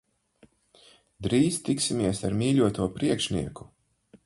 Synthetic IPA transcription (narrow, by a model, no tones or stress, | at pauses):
d̪ɾiːzt̪iksimʲiɛsaɾmʲiːlʲuɔt̪uɔpɾiɛkʃnḭɛku̥